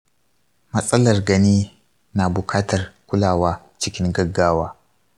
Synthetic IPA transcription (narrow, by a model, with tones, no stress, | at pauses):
mɐ˦sʼɐ˦lɐ˨rɡɐ˨niː˦ | na˨bʊ˨kʰaː˦tɐ˨rkʷʊ˦laː˨waː˦ | t͡ʃɪ˦kʲɪ˦ŋɡɐ˦ɡːaː˦waː˦